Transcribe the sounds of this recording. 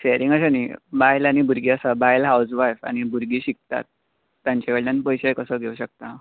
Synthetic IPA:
ɕeɾiŋɡəɕanibajlañibuɾɡiasabajlɦawd͡zʋajfa̰ñibuɾɡiːɕik̚t̪a̰t̪̚ː | jãɲt͡ɕakəɽlanipəjɕejkəsəɡʱeuɕək̚t̪a

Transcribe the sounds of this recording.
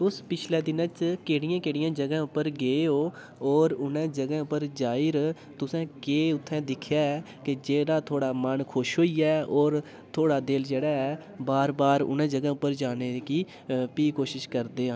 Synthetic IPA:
ʊspɪt͡ʃʰlɛːd̪ɪnãt͡ʃkeːɽɪjãːkeːɽɪjãːd͡ʒəɡãːʊpːəɾɡeːoː | ɔːɾʊnɛ̃ːd͡ʒəɡɛ̃ːʊpːəɾd͡ʒaːɪɾ | t̪ʊsɛ̃ːkeːʊt̪ʰːɛ̃ːd̪ɪkʰjaːɛː | kɪd͡ʒeːɽaːt̪ʰoːɽaːmənkʰʊʃɦoːiːɛːɔːɾ | t̪ʰoːɽaːd̪ɪld͡ʒeːɽaːɛː | baːɾbaːɾʊ̰nɛ̃ːd͡ʒəɡɛ̃ːʊpːəɾd͡ʒaːneːkiː | piːkoːʃɪʃkəɾd̪eːãː

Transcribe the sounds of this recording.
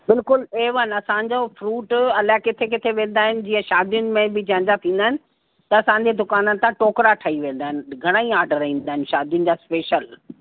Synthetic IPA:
bɪlkʊleːʋənɐsãɲ̆d͡ʑofɾuːʈɐlakɪt̪ʰekɪt̪ʰeʋẽːn̆d̪aːɦɪnɪ̆d͡ʑiːə̃ʃaːd̪ijʊnɪ̆mẽbɪd͡ʑɐ̃ɲd͡ʑat̪ʰĩːn̆d̪aːɦɪnɪ | t̪ɐɐsãːɲd͡ʑed̪ʊkaːnənɪ̆t̪ãʈoːkɾaʈʰaiʋẽːnd̪aːɦɪnɪɡʱɐɽ̃aːĩaːɾɖəɾɦĩːn̆d̪aːɦɪnʃaːd̪ijʊnɪ̆d͡ʑaːspeːʃəl

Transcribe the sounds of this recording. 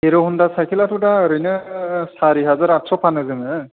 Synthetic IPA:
eɾɔhundasajkʰilatutaɾɯnɯsaɹiɦazaɹatsɔpʰanɯzɯmɯ

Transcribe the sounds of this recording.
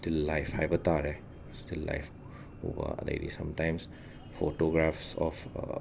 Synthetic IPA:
stilːajpʰhajbɐtaɾe | stilːa̰jpʰ | ṵbɐ̰ɐdɐ̰jdḭsɐmtajms | pʰotoɡɾapʰsɔpʰ

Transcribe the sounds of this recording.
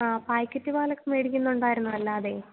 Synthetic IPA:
aːpaːjkʲːɐtːiʋaːlɐkːɨmeːɽikʲːunːuɳɖaːjiɾunːuʋɐlːaːɐðe̞ː

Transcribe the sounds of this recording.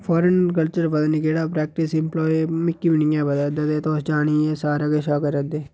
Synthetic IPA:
fʰɔːɾənkəlt͡ʃəɾbəd̪ənkeːɽaːpɾɛːk̚ʈɪsɪmplɔːimɪkːiːʋɪnɪjãːbəd̪əd̪əd̪eːt̪oːsd͡ʒaːɳ̃iːeːsaːɾaɡeʃaːkəɾəd̪eː

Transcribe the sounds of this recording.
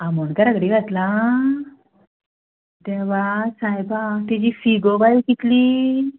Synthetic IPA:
amonkaɾaɡɽiɡat̪la | d̪ɛʋasajbat̪id͡ʑifiɡobajkit̪li

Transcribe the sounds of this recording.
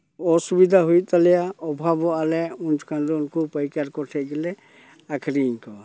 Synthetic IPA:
ɔsubid̪ʱaɦujt̪alɛjaɔbʱabɔalɛund͡ʒɔ̥kʰanɾɔunkupɔjkaɾkɔʈʰɛɡɛlɛ | akʰɾiɲkɔ

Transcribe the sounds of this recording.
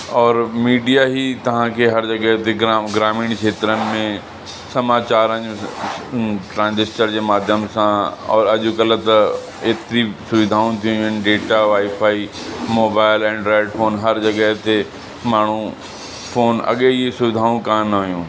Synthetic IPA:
ɔːɾmiːɖijaɦit̪ɐʋ̤ãkʰeɦɐɾd͡ʑɐɠəɦt̪eɡɡɾaːmiːɽ̃kʰeːt̪ɾənɪ̆mẽ | sɐmaːt͡ɕaːɾə̃ɲũ | ʈɾãːnd͡ʑɪst͡ɕəɾd͡ʑeːmaːd̪ʱjəmsãɔ̰ːɾɐʄʊkɐlt̪ɐ | eːt̪ɾisʊʋɪd̪ʱaːũt̪ʰijũənɖeːʈaʋaːipʰaːi | moːbaːɪlɛ̃ːɳɖɾaːɖfʰoːnɦɐɾd͡ʑɐɠəɦt̪e | maːɳ̤ũ | fʰoːnɐ̰ɠeiesʊʋɪd̪ʱaːũkãnɐɦʊjũː

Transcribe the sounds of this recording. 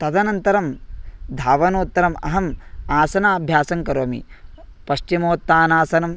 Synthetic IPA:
t̪ɐd̪ɐnɐnt̪ɐɾɐmd̪ʱaːʋɐnoːt̪ːɐɾɐmɐ̰ɦɐmaːsɐnaːbʱjaːsɐŋkɐɾoːmḭ | pɐʃt͡ʃimoːt̪ːaːnaːsɐnɐm

